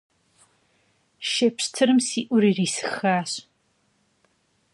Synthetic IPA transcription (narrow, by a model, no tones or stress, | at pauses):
ʃepɕtʰɨɾɨmsiːʔʷʊɾiːriːsɨ̥xaːɕ